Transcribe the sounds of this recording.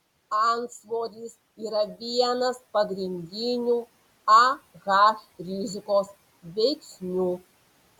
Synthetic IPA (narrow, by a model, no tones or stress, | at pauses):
ɐnsʋoːɾʲis | iːɾɐʋʲijɛnɐspɐɡɾʲɪnʲd̪ʲɪnʲuː | ɐɣaːfʲɾʲizʲɪkoːs | ʋʲɛɪksʲnʲuː